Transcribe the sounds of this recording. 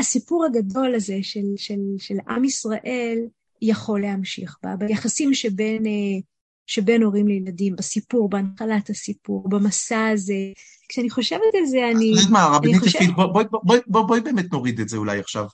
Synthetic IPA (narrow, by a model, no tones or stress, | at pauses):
asipuʁhaɡado̞laze̞ʃe̞lʃe̞lʃe̞lʔa̰misʁaʔe̞l | jaχo̞lehamʃḭχba̰bajaχasimʃebe̞ne | ʃebe̞no̞ʁimlejladimbasipuʁbeanχalathasipuʁbamasaːze | kʃeaniχo̞ʃevetalzeanitmaʁabaininioitbobobobojbobojbeːmet̪no̞ʁid̪etzeulajaχʃav